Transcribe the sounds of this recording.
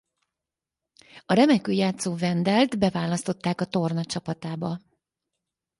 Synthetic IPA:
ɒɾɛmɛkøːjaːt̪soːvɛnd̪ɛlt̪bɛvaːlɒst̪o̞t̪ːaːkɒt̪o̞rnɒt͡ʃɒpɒt̪aːbɒ

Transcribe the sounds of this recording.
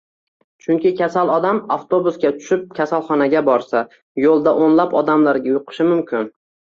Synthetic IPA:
t͡ʃʰʊŋkʲɪkʲʰasalˠɒd̪amaft̪ʰobʊsɡʲat̪ʰʊ̥ʃɪp̚kʲʰasalˠχɒnaɡʲabɒɾsa | jolˠd̪aʔonlapɒd̪amlaɾɡʲajʊqʰɨ̥ʃɪmʊmkʲʰɪn

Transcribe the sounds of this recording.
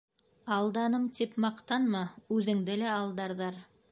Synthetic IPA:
ɑlˠd̪ɑnɤmt̪ipmɑqt̪ɑnmɑʉðɘ̆ŋd̪ɘlæɑlˠd̪ɑɾðɑɾ

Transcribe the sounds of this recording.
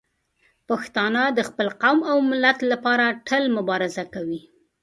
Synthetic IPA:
paxt̪ɑnad̪əxpəlqawmawmɪlat̪lapɑɾaʈʰəlmʊbɑɾɪzakawi

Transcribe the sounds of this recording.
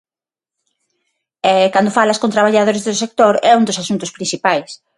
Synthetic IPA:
ɛkand̪ofalaskont̪ɾaβaʎaðoɾezðʊsek̚t̪oɾɛũnd̪ʊsasunt̪ʊspɾinsθipajs

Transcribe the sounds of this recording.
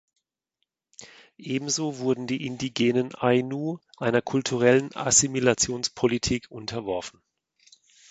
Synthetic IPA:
ʔeːbm̩zoːvʊɐdn̩diːʔɪndiɡeːnənʔaɪnuːʔaɪnɐkʰʊltʰuʁ̞ɛləna̰similat͡sjoːnspʰolitʰiːkʰʔʊntʰɐvɔɐfn̩

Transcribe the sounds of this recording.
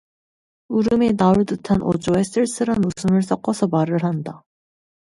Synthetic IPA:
uɾɯmenauɭdɯtʰanʔo̰d͡ʑoes͈ɯɭs͈ɯɾanmusʰɯmɯɭs͈ʌk͈ʌsʰʌmaɾɯɭɦanda

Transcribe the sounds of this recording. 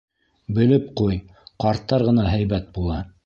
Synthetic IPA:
bɘ̆lɘp̚quj | qɑɾt̪ːɑɾʁɤ̆nɑɦæjβæt̪̚bulˠɑ

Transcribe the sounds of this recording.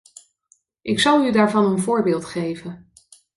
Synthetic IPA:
ʔɪksɑlˠydaːɹvɑnənvʊːɹbɪːlˠtχejvən

